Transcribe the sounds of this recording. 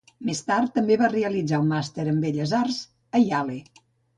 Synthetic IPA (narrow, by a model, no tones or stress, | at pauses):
mest̪art̪ːəmbeβareəlid͡zaummast̪eɾəmbeʎəzarz | əjale